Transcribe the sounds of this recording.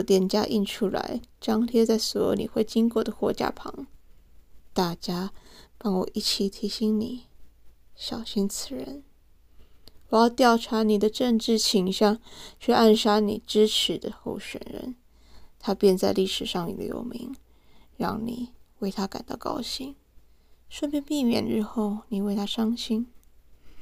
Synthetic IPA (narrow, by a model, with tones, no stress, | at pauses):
t̪jɛ˥˩nt͡ɕja̰˥ʔi˥˩nʈ͡ʂʰu˥la̰˧˥ɪʈ͡ʂɑ˥ŋt̪ʰjɛ˥t͡sa˥˩ɪswɔ˧˥jo̰˨˧˥ʊnḭ˨˩xwe˥˩ɪt͡ɕi˥ŋkwɔ˥˩d̪ə˩xwɔ˧˥t͡ɕja̰˥˩pʰɑ̰˧˥ŋ | t̪a˥˩t͡ɕja˥pɑ˥˩ŋwɔ̰˨˩ʔi˥˩t͡ɕʰi˨˩t̪ʰi˧˥ɕi˧˥ŋni˨˩˦ | ɕjɑ˨˩ʊɕi˥nt͡sʰɹ̩˥˩ɻə˧˥n | wɔ˨˩jɑ˥˧ʊt̪jɑ˥˩ʊʈ͡ʂʰa˧˥ni˨˩d̪ə˦ʈ͡ʂə˥˧ŋʈ͡ʂɻ̩˥˩t͡ɕʰi˧˥ŋɕjɑ˥˧ŋt͡ɕʰy˥˧a˥˩nʂa˥nḭ˨˩ʈ͡ʂɻ̩˥ʈ͡ʂ̩ʰ˧˥d̪ə̰˧xo˥˩ʊɕɥɛ̰˨˩nɻə̰˧˥n | t̪ʰa˥pjɛ˥˧nt͡sa˥˧ɪli˥˩ʂɻ̩˨˩ʂɑ˥˩ŋnḭ˨˩d̪ə̰˦jo̰˨˩ʊmḭ˧˥ŋ | ɻɑ̰˥˩ŋnḭ˨˩we˥˩ɪt̪ʰa˥ka˨˩nt̪ɑ̰˥˩ʊkɑ̰˥ʊɕi˥˩ŋ | ʂwə˥˧npjɛ˥˧npi˥˧mjɛ̰˨˩nʈ͡ʂɻ̩˥xo˥˩ʊni˨˩we˥˩ɪt̪ʰa˥ʂɑ˥ŋɕi˥ŋ